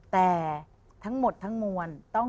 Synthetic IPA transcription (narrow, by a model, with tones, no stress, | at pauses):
t̪ɛː˨˩ | t̪ʰa˦˥ŋmo˨˩t̪ʰːa˦˥ŋmuː˧ənt̪ɔ˥˩